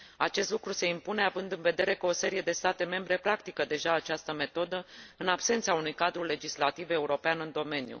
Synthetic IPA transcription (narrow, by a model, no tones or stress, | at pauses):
at͡ʃe̞st̪lukɾuse̞impune̞avɨnd̪ɨnve̞d̪e̞ɾekəo̞se̞ɾije̞d̪e̞st̪at̪e̞me̞mbɾe̞pɾakt̪ikəd̪e̞ʒaːt͡ʃast̪əme̞t̪o̞d̪əɨnabse̞nt̪saunujkad̪ɾule̞d͡ʒislat̪ive̞uɾo̞peanɨnd̪o̞me̞nijṵ